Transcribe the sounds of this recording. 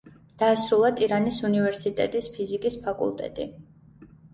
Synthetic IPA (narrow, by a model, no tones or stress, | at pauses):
d̪̥aːsɾulˠat̪ʼiɾanisunivɛɾsit̪ʼɛ̰t̪ʼispʰizikʼispʰakʼṵlˠt̪ʼɛ̰t̪ʼḭ